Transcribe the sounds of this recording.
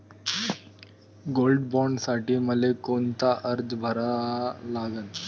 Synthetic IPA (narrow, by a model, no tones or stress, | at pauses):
ɡolɖbɔɳɖsaʈiːməlekont̪aʔəɾd͡zbʱəɾalaɡən